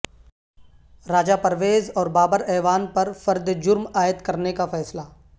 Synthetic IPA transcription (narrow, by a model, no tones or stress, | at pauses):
ɾaːd͡ʒapɐɾʋeːzɔːɾbaːbəɾɛːʋaːnpɐɾfɐɾd̪d͡ʒʊɾmaːjət̪kɐɾnekafɛːslaː